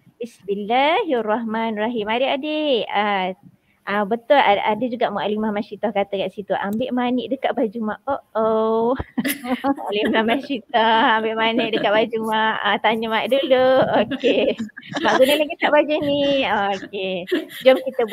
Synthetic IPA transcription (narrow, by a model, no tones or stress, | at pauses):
bisbilːaɦaraɦmanrɔɦimaɾiadea | ʔabət̪ʊlaadəd͡ʒuɡaʔmuʔalimahmasit̪ahkat̪əkaʔsit̪uʔambɪʔmanɪʔdəkaʔbad͡ʒumaʔoʔo | alimahmasit̪ahambɪʔmanɪʔdəkaʔbad͡ʒumaʔat̪aɲəmaʔduluokemaʔɡunalaɡikaʔbad͡ʒuniaoked͡ʒamkit̪ə